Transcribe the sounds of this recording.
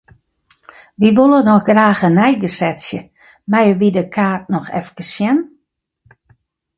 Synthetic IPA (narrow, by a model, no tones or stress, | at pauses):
ʋiʋolˠənɔxɡraːxənɛjɡəsɛtsjə | mɛjəʋidəkʰaːt̚nɔxɛ̰fkəsjɛn